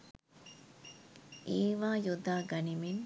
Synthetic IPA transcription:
ʔeːʋaːjud̪aːɡɐnimin

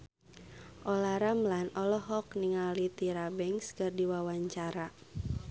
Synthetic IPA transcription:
ʔɔlaɾamlanɔlɔɦɔkniŋalit̪iɾabɛŋskɨrdiwawaɲt͡ʃaɾa

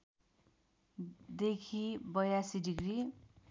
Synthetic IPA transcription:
d̪ekʰibʌjasidiɡɾi

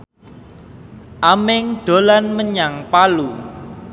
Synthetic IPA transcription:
ʔamɪŋɖ̥o̤lanməɲaŋpalu

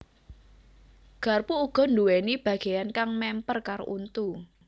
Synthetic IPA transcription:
ɡ̥a̤rpuːɡ̥ɔ̤nduwenib̥ä̤ɡ̥e̤jankaŋmɛmpərkaɾo̰ʔunt̪u

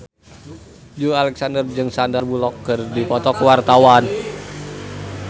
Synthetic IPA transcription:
d͡ʒualɛksandərd͡ʒɨŋsandərbulɔkːɨrdipɔt̪ɔkəwart̪awan

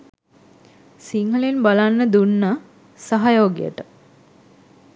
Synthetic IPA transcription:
siŋɦəlenbalanːəd̪unːa | saɦajoːɡḭjə̰ʈə

